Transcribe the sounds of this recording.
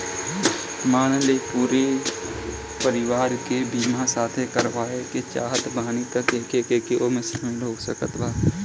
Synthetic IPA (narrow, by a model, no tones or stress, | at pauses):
maːñlepuːɾe | pəɾɪʋaːɾkebiːmãsaːt̪ʰekəɾʋaːeket͡ʃa̰ːɦət̪bʱaːñit̪əkeːkekekeʔoːmesɪmẽloːɡsəkət̪ʋaː